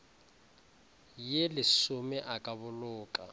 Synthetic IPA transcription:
jelɪsʊmɛʔakʼaβʊlʊːkʼa̰

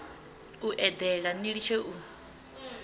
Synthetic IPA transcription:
uʔɛd̪ɛɺaniɺit͡ʃʰeʔu

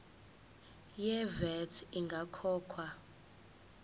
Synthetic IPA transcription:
jɛvɛtʰiŋɡʱakʰɔːkʰwa

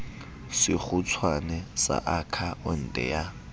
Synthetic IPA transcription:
sɪk͡xʰʊt͡sʰwanɛsa̰ʔakʰaʊn̩ːdʼɛ̰ja

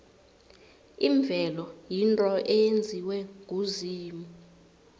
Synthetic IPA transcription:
iɱb̪vʱɛlɔjintʼɔʔejend͡zʱiwɛŋʱuziːmu

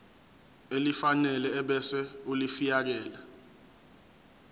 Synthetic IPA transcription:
elifanɛlɛːɓɛsɛulifijak̬ɛːla

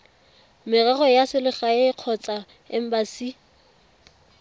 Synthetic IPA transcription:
mɪraɣɔjasɪlɪχaeɪq͡χʰɔt͡sʼa | ɪ̰m̩basi

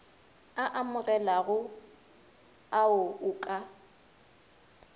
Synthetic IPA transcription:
aʔamʊɣɛlaɣʊ | aʊʊːkʼa

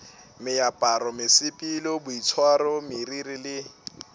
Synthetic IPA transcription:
mɪjapʼaɾɔmɪsɪpʼilɔbʊit͡sʰwaɾɔmɪririlɪ

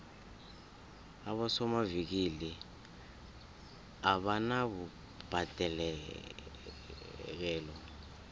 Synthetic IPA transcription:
aɓɔsɔmavik̬ili | aɓanaɓu | b̥ʱad̥ʱɛlɛ | k̬ɛːlɔ

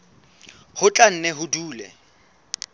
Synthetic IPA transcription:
hʊt͡ɬʼan̩nɛɦʊduːlɛ̰

